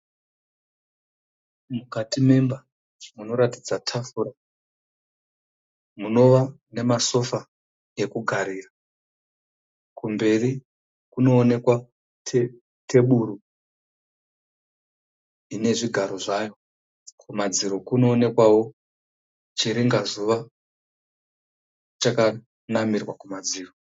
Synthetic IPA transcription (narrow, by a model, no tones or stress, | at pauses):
mukatime̞mba | ʐmuno̞ɾatid͡zatʰafuɾa | muno̞ʋane̞maso̞fa | e̞kuɡʱaɾiːra | kumbe̞ri | kuno̞ːne̞kwa | tʰe | tʰe̞ɓuɾu | ine̞ʐiɡʱaɾo̞ʐaːjo | kʰumad͡ziɾo̞kuno̞ːne̞kwawo̞ | t͡ʃiɾiŋɡazuʋa | t͡ʃaka | namirwakumad͡ziːro